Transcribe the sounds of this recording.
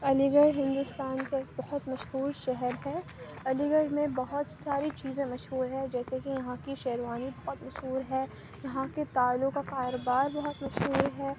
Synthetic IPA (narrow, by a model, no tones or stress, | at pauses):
ɐliɡəɖɦɪ̃nd̪ʊst̪aːnkebɐɦʊt̪mɐʃɦuːɾʃɛɦɛɾɦɛː | ɐliɡəɽmẽbɐɦʊt̪saːɾit͡ʃiːzẽmɐʃɦuːɾɦɛ̃d͡ʒɛːsekijɐɦãkiʃɛɦɾʋaːnibɐɦʊt̪mɐʃɦuːɾɦɛː | jɐɦãket̪aːlõkakaːɾoːbaːɾbɐɦʊt̪mɐʃɦuːɾɦɛː